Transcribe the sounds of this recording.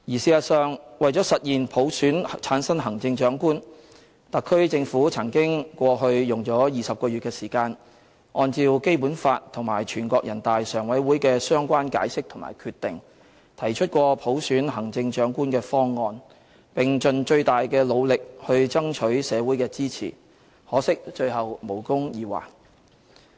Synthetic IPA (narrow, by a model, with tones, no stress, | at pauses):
jiː˨˩siː˧jɐ˨t̚sœː˨ŋwɐ˨jt͡ʃɔː˨˥sɐ˨t̚jiː˨npʰo˨˥wsyː˨˥nt͡sʰaː˨˥nsɐ˥ŋɦɐ˨˩ŋt͡sɪ˧ŋt͡ʃœː˨˥ŋkuː˥n | t̪ɐ˨kʰːɵ˥ɥt͡sɪ˧ŋfuː˨˥t͡sʰɐ˨˩ŋkɪ˥ŋkʷɔː˧ɦɵ˧ɥjʊ˨ŋt͡ʃɔː˨˥jiː˨sɐ˨p̚kɔː˧jy˨t̚kɛː˧siː˨˩kaː˧n | ʔɔː˧nt͡siː˧wke˥jpuː˨˥nfaː˧tt̪ʰːʊ˨˩ŋma̰ː˨˩jt͡ʃʰyː˨˩nkʷɔː˧kjɐ˨˩nt̪aː˨jsœː˨˩ŋwɐ˨˥jwuː˨˥jkɛː˧sœː˥ŋkʷaː˥nka̰ː˨˥jsɪ˥k̚t̪ʰʊ˨˩ma̰ː˨˩jkʰyː˧t̪ɪ˨ŋ | t̪ʰɐ˨˩jt͡ʃʰɵ˥t̚kʷɔː˧pʰo˨˥wsyː˨˥nɦɐ˨˩ŋt͡sɪ˧ŋt͡ʃœː˨˥ŋkuː˥nkɛː˧fɔː˥ŋːɔː˧n | pɪ˨ŋt͡ʃɵ˨˧nt͡ʃɵ˧ɥt̪aː˨jkɛː˧lo˨˧wlɪ˨k̚hɵ˧ɥt͡sɐ˥ŋt͡ʃʰɵ˨˥ɥsɛː˨˧wuː˨˥jkɛː˧t͡siː˥t͡sʰḭː˨˩ | hɔː˨˥sɪ˥k̚t͡ʃɵ˧ɥhɐ˨wmo˨˩wkʊ˥ŋjiː˧wa̰ː˨˩k